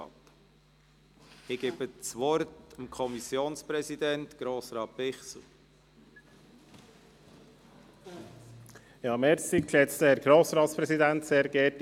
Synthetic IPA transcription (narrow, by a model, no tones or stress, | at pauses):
t | ɪɡ̥eːbət͡sʋɔɾtɑmkʰɔmisjoːnspɾɛsid̪ɛntɡ̥ɾoːsɾɑːtvɪχsl̩ | jɑːmɛɾsikʃɛt͡st̪əhɛɾɡ̥ɾoːsɾɑːt̪spɾɛsid̪ænt̪seːɾɡɛɾt